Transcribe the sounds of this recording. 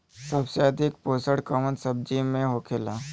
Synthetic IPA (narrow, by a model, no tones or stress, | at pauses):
sɐbseɐd̪ʱɪkpoːsəɽkəʋə̃nsɐb̚d͡ʒimẽɦoːkʰeːlaː